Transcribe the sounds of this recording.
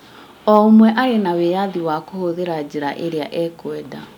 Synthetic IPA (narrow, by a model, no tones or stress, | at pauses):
ɔmwɛʔaɾenawejaðiwakohoðeɾad͡ʑeɾaʔeɾea̰ʔɛkwɛda